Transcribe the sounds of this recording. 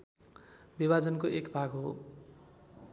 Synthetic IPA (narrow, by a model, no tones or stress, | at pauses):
bibad͡zʌnkoʔekbʱaɡɦo